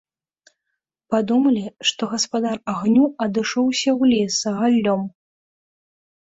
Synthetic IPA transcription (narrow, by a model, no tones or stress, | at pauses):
pad̪umɐlʲiʂt̪ɔɣɐspad̪araɣnʲuɐd̪ɨʂɔwsʲɐwlʲɛsɐɣalʲːɔm